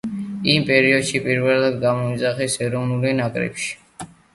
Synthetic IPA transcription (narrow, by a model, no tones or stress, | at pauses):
impʼɛɾiɔd̪ʃipʼiɾvɛlad̪̚ɡamɔid̪zaχɛsɛɾɔvnulinakʼɾɛ̰pʃi̥